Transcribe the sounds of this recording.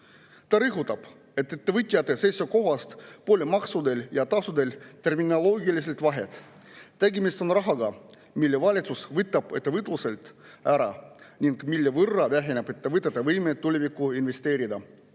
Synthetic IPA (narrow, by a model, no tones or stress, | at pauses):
t̪ɑɾɯɦut̪ːˑɑb̥ | e̞t̪ːˑet̪ːevɨt̪ʲːˑijɑt̪ːˑesesʲoko̞ɦɑst̪poːlʲemɑksud̪e̞ljɑt̪ɑsud̪e̞lʲt̪e̞rminolo̞ːɡilis̬e̞lt̪vɑɦe̞̰t̪ˑ | t̪ːæɡimist̪o̞nrɑɦɑɡɑ | milːevɑlʲit̪susvɯt̪ːˑɑb̥e̞̰t̪ːevɯt̪luse̞lt̪ | æɾɑnʲiŋɡ̥milːevɯrːɑvæɦenebet̪ːevɯt̪ːˑet̪ːɑvɤjmet̪ːulʲivikːˑuinve̞st̪e̞ːɾid̪ɑ